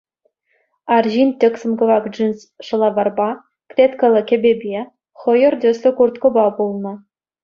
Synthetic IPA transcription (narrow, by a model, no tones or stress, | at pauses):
ɑrʑinʲt̪ʲĕksɤ̆mɡɤ̆vɑkʐinʲs | ʂɤ̆lˠɑvɑrbɑ | krʲet̪kɤ̆lʲˠɤ̆kʲɘ̆bʲebʲe | χɤ̆jɤ̆rd̪ʲɘ̆sʲlʲɘ̆kurt̪kɤ̆bɑbulˠnɤ̆